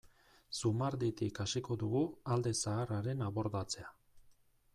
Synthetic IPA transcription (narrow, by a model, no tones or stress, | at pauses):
sumaɾd̪it̪ikasiko̞ðuɣuald̪e̞saːraɾe̞naβo̞ɾðat͡se̞a